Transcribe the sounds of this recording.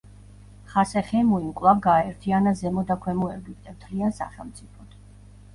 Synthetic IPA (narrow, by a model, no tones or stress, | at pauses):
χasɛχɛmuimkʼlˠavɡaɛɾt̪ʰianazɛmɔd̪akʰwɛmuɛbikd̪ʼɛmt̪ʰliansa̰χɛ̰lˠmt̪sʼipʰɔt̪ʰ